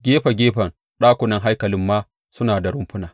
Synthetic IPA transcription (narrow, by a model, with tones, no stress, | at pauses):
ɡʲeː˦ɸa˨ɡʲeː˦ɸɐ˨n | ɗaː˦kʷʊ˨nɐ˦ŋɦa˦jkɐ˨lɪ˦mːaː˦ | sʊ˦naː˨da˨ɽʊ˦mɸʊ˦naː˨